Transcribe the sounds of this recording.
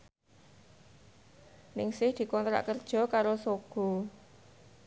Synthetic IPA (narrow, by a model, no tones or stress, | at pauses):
nɪŋsɪhd̪̥i̤kɔnt̪ɾa̰ʔkərd̥ʒ̥ɔ̤kaɾosoɡ̥ɔ̤